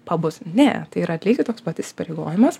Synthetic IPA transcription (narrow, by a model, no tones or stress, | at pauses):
pɐbʊsnʲɛ̰t̪ɐɪiːɾɐt̪ʲlʲiːɡʲɪt̪oːksbʋɐt̪ɪsʲɪ̥pɐɾʲeɪɡo̰ːjɪmɐs